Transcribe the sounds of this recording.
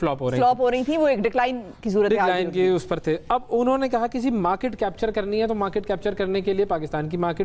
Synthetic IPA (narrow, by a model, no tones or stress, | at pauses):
flɔːpɦoːɐɦilɔːpɦoːɾɐɦĩt̪ʰiʋoeːk̚ɖɪklaːɪn | kisuːɾət̪ɖɪkːlaːɪnkeʊspɐɾt̪ʰeɐbʊnɦõnekɐɦakid͡ʒimaːɾkɪːʈkɛːp̚t͡ʃəɾkɐɾniɦɛt̪omaːɾkeʈkɛːp̚t͡ʃəɾkɐɾnekeliepaːkɪst̪aːnk̬imaːɾkɪʈ